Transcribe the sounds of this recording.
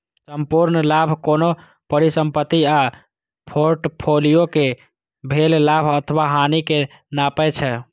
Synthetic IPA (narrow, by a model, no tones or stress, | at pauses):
səmpuɾnlabʱkono | pəɾisəmpət̪ːia | pʰoɾʈpʰolijoke | bʱellabʱət̪ʰəʋaɦanike | napɛt͡ʃʰɛ